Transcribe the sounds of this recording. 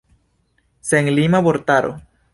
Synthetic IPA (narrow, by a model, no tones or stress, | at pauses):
seŋlimaβoɾt̪aɾʔo̰